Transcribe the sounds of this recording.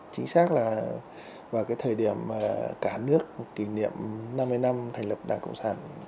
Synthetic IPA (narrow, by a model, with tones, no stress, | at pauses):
t͡ɕï˨˦ŋ̟saː˦˥k̚laː˨˩ | vaː˨˩wkaː˨˦jt̪ʰəː˨˩jɗi˧˩əmːaː˨˩kaː˧˩nɨ˦˥ək̚ːi˧˩nḭ˧˨əmna˧mːɨ˧jna˧mt̪ʰɛ˨˩ŋ̟lə˨˩p̚ɗa̰ː˨˩ŋkə̰˧˨wŋ͡msaː˧˩n